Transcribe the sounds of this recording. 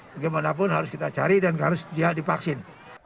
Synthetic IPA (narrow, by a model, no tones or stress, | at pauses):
baɡamanap̬ʊnɦaɾʊskit̪at͡ʃa̰ɾidankaɾʊsd͡ʒiadipaksɪn